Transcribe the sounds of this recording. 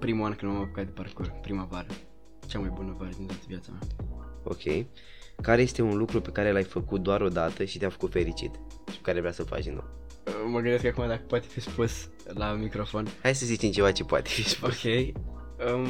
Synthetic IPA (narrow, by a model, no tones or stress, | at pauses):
pɾimuankɨnmamapokat̪d̪eparkurpɾimavaɾə | t͡ʃamajbunəvaɾəd̪int̪at̪əvʲjat̪samao̞̰kʲʰe̞̰j | kaɾeje̞st̪e̞unlukɾupe̞kaɾelajfəkut̪̚d̪oaɾo̞d̪at̪əʃit̪eafə̥kut̪fe̞ɾit͡ʃḭt̪ | ʃi̥pekaɾevɾeasəlfa̰kd̪inːo̰w | əməɡɨnd̪e̞skakumad̪akə̥poat̪efispus | lamikɾofo̞nhajsəzit͡ʃ̪imt͡ʃe̞vat͡ʃe̞poa̰t̪e̞̥fispouskʲejə